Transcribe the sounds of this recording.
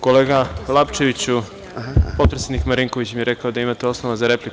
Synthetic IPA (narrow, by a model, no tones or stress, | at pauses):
ko̞le̞ːɡalˠapt͡ʃe̞ʋit͡ɕu | po̞t̪pɾesʲjed̪ikmaɾiŋko̞ʋit͡ɕmijeɾe̞kaod̪aimat̪eo̞snoʋazaɾe̞plik